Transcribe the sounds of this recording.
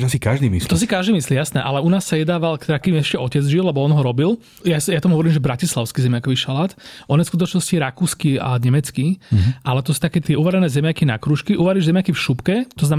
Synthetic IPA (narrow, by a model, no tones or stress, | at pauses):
asikaʒd̪iːmḭst̪ɔsikaʒd̪iːmislijasnɛʔalɛunaːsːajɛd̪aːʋalkt̪akiːmɛʃcɛɔcɛd͡zʒilɛbɔɔnɦɔɾɔbil | jasjat̪amuɦɔʋɔɾiːmʒɛbɾacislaʊskizɛmjakɔʋiːʃalaːt̪ʔɔnɛfskut̪ɔt͡ʃnɔsciɾakuːskia̰ɲɛmɛt͡skiʔalɛt̪ɔsu̥t̪akɛːt̪ɪɛʔuʋaɾɛnɛːzɛmjakina̰kɾuːʃkiʔuʋaɾiʒzɛmjakifʃupkɛt̪ɔznam